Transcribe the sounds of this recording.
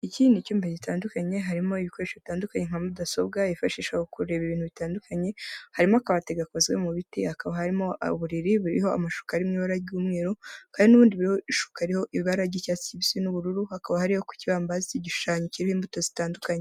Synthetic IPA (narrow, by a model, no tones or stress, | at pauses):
icindicuːmbeɟitaːndukaɲe̞ɦaɾimo̞iβiko̞ɾeʃoβitaːndukaɲeŋ̥amudaso̞b̚ɡaifaʃiːʃahokuɾe̞βiβiːnhuβitaːndukʰaɲe̞haɾimo̞akaβate̞ɡako̞zɡemuβitihakaβahaɾimo̞a̰βuɾiɾiβuɾiho̞a̰maʃu̥kaaɾimŋiβaɾaɟuːmŋeːɾokaːndinuβuːndiβuɾihoiʃu̥kaaɾiho̞ʔiβiβaɾaɟicaːt͡si̥ciβisinuβuɾuɾuhakaβahaɾiho̞ku̥ciβaːmbaaziciɟiʃu̥ʃaːɲiciɾihoiːmbuto̞zitaːndukaɲe